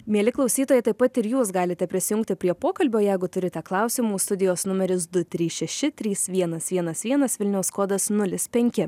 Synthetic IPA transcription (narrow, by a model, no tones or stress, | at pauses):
mʲiɛlʲɪklˠɒʊsʲiːt̪oːjɛt̪ɐɪpɐt̪ɪɾjuːsɡɑːlʲɪt̪ʲɛpʲɾʲɪsʲɪjʊŋk̚t̪ʲɪpʲɾʲiɛpoːkɐlʲbʲoːjɛɪɡʊt̪ʊɾʲɪt̪ʲɛklˠɑˑʊsʲimuːst̪ʊd̪ʲɪjoːsnʊmʲɛɾʲɪsd̪ʊt̪ʲɾʲiːsʃʲɛʃʲɪt̪ʲɾʲiːsʋʲiɛnɐsʋʲiɛnɐsʋʲiɛnɐsʋʲɪlʲnʲɛʊskoːd̪ɐsnʊlʲɪspʲɛŋʲkʲɪ